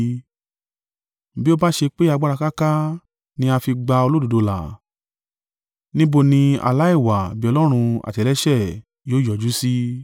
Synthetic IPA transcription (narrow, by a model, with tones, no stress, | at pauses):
bi˦o˦ba˦ʃe˧k͡pe˦a˧ɡ͡ba˦ɾa˧ka˦ka˦ | nĩ˦a˧fi˧ɡ͡ba˧o˧lo˦du˨˧do˧la̰˨ | nĩ˦bo˧nĩ˧a̰˧la˨˦i˦˨wa˨bi˦ɔ˧lɔ˦ɾ̃ũ˧a̰˨tɛ˨lɛ˦ʃɛ˦˨ | joː˨˦˨jɔ˨d͡ʒu˨˦si˦